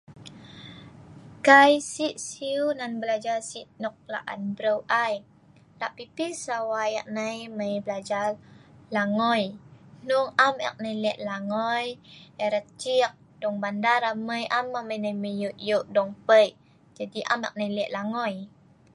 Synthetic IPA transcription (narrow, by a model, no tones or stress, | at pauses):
kajsiʔsiunanbəlad͡ʒasiʔnɔk̚la̰ʔa̰nbɾəwʔaj | laʔpipisawaja̰ʔ̚najməjbəlad͡ʒa | laŋɔjnuŋamɛ̰k̚najlɛʔlaŋɔjəɾət̚t͡ʃik̚ | d̥ɔŋbandaɾaməjʔamːaməjnajməjuʔjuʔdɔŋpəjʔ | d͡ʒadiʔa̰mɛ̰k̚najlɛʔlaŋɔj